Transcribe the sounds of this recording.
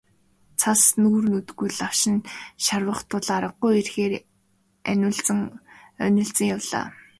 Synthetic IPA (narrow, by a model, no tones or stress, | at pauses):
t͡sʰasnuːrnut̪ɡujɮaw̥ʃɪ̆nʃarwə̆χt̪ʰʊɮaːɾə̆q̚ːujerxeːɾ | æ̰nʲʊ̆ːɮt͡sɘ̆ŋœ̰nɪ̆ɬt͡sə̆ŋjawɮa̰ː